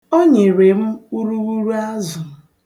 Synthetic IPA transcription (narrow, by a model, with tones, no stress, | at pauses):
o˦ɲe˨ɾe˨m̩˦u˦ɾu˦ɣu˦ɾu˦a˦zʊ˨m̩˨